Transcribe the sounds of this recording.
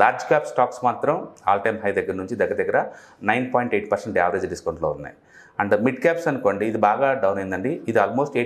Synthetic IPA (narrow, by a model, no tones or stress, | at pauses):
laːɾd͡ʒkaːpsʈaːksmaːt̪ɾɐmaːlʈɐjmɦɐjd̪ɐɡːɐɾnuɲt͡ʃid̪ɐɡːɾɐd̪ɐɡːɐɾɐ | nɐjnpaːjɳʈe̞ːʈpɐɾseɳʈaːʋɐɾeːd͡ʒɖiskɐwɳʈlo̰ːunːa̰ːji | ɐɳɖemiʈkaːpsɐnuko̞ːɳɖiːd̪ibaːɡaːɖɐwnejnd̪ɐɳɖiːd̪iaːlmoːsʈeː